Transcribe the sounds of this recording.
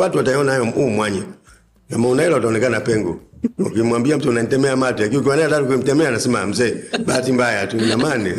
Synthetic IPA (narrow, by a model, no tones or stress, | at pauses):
watuataɔnajɔumwaɲɛ | ɡamaunaɛlaɔtaɔnɛkanapɛŋɡɔ̰ɔ̰kimwambiam̩sɔnantɛmɛamatuak̬iuk̬ianaataɾuk̬uim̩tɛmɛanasima̰m̩zɛbatimbajatunamanɛ